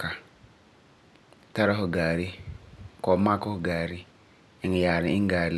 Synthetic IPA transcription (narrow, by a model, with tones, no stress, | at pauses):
ka˨ | ta˦ɾa˦hu˨ɡaː˨ɾi˦kɔ˨˦ma˦ko˦hu˨ɡa˨ɾi˦ | i˨ŋ˨ja˨ɾi˨i˦ŋ˦ɡaː˨ɾl